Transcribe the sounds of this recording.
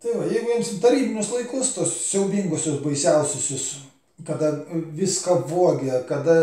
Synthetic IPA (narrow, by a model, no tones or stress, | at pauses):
t̪ɐɪʋɐjɛɪɡʊjiɛmst̪ɐɾʲiːbʲɪnʲʊslˠɐɪkʊst̪oɔssʲɛʊbʲiŋɡosʲosbɐɪsʲɛʊsʲʊsʲʊs | kɐd̪ɐʋʲɪskɐpʋoɔɡʲɛkɐd̪ɐ